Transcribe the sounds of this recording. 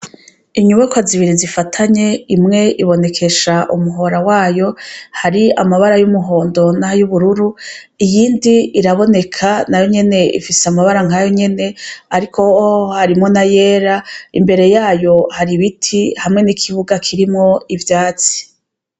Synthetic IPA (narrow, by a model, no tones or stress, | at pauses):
iɲuβekwaziβiɾizifatʰaɲe̞imŋe̞ʔiβo̞ne̞kʰe̞ʃaʔumuɦo̞ɾawaːjo̞haɾiamaβaɾajumuɦo̞ːndo̞najuβuɾuɾu | ijiːndiiɾaβo̞ne̞kʰanajo̞ɲe̞ne̞ḭfiseamaβaɾaŋ̥hajo̞ɲe̞ne̞aɾikʰo̞haɾimŋo̞naje̞ːɾaimbe̞ɾe̞jaːjo̞haɾiβitʰihamŋe̞nikʰiβuɡakʰiɾimŋo̞ivjaːt͡si̥